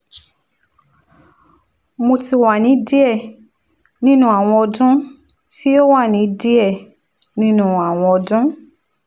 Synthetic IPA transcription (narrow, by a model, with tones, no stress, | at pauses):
mo˧ti˧wa˨nĩ˨˦di˦ɛ˦˨ | nĩ˦nũ˦a˨w̃ɔ̃˧ɔ˧dũ˦ | ti˦o˦wa˦˨nĩ˨˦di˦ɛ˦˨ | nĩ˦nũ˦a˨w̃ɔ̃˧ɔ˧dũ˦